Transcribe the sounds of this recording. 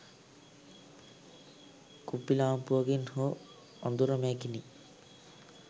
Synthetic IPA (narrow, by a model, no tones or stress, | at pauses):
kupːilampuɔɡinho | ɔnd̪uɾɔmekini